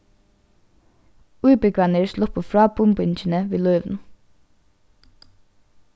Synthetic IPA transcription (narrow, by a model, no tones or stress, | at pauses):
ʉːbəkʰʋænəɹslɔpəfɹɑːbʊmbʏnc͡çənəʋeːlœʏʋn̩